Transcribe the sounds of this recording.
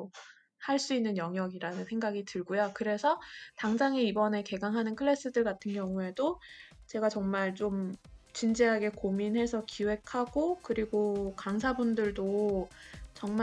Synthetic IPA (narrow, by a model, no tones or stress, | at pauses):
haɭs͈uinːɯnjʌŋjʌɡiɾanɯnsʰe̞ŋɡaɡitɯɭɡojokɯɾe̞sʰʌtaŋd͡ʑaŋiibʌne̞ke̞ɡaŋɦanɯnkʰɯɭːe̞s͈ɯdɯɭɡatʰɯnɡjʌŋue̞dot͡ɕe̞ɡat͡ɕʌŋmaɭt͡ɕomt͡ɕind͡ʑiɦaɡe̞kominɦe̞sʰʌkiwe̞kʰaɡokɯɾiɡokaŋs̬ʰabundɯɭdo | t͡ɕʌŋm